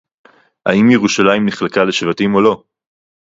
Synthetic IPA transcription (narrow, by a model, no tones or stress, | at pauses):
ha̰imjeʁuʃalajimniχlekaleʃvatimo̞lo̞